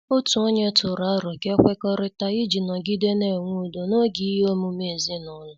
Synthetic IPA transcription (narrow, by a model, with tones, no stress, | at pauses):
o˦tu˨o˦ɲe˦tʊ˨ɾa˨˦ɾɔ˨ke˦kʷe˦kɔ˦ɾɪ˦ta˦i˦d͡ʒi˨nɔ˨ɡi˦de˦ne˨ŋʷu˦˨do˨no˦ɡi˦ɦo˦mu˦me˦˨zi˦nʊ˦lʊ˨